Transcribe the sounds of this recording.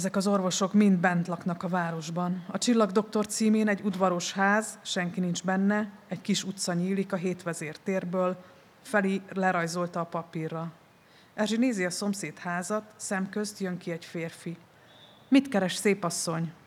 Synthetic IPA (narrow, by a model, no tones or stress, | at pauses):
zɛkɒzo̞rvo̞ʃo̞kmind̪bɛnt̪lɒknɒkɒvaːɾo̞ʒbɒnɒt͡ʃilːɒɡd̪o̞kt̪o̞rt̪siːmeːnɛɟːud̪ʋɒɾo̞ʃhaːzʃɛŋkinind͡ʒbɛnːɛɛckiʃut̪sɒɲiːlikɒɦeːt̪ʋɛzeːrt̪eːrbøːl | fɛlilɛɾɒjzo̞lt̪ɒːpɒpirːɒ | ɛʒineːziɒso̞mseːt̪haːzɒt̪sɛmkø̞st̪jøŋkiɛɟfeːrfi | mit̪kɛɾɛʃseːpɒsːo̞ɲ